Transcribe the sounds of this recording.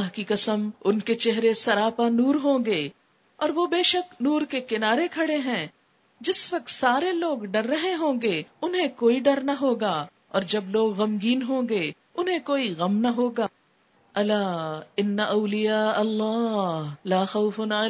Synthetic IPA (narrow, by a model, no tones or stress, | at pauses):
ɦkikɐsəmʊnket͡ʃɛɦɾesɐɾaːpanuːɾɦõːɡeː | ɔːɾʋobeːʃəknuːɾkekɪnaːɾekʰɐɽeɦɛ̃ː | d͡ʒɪsʋɐq̚t̪saːɾeloːɡɖɐɾːɐɦeɦõːɡeʊnɦẽkoːiɖɐɾnaɦoːɡaː | ɔːɾd͡ʒɐbloːɡɣɐmɡiːnɦõːɡe | ʊnɦẽkoːiɣɐmnɐɦoːɡaː | ɐlaːɪnːaʔɐʊlɪjaːɐlːaːɦlaːxɐʊfʊn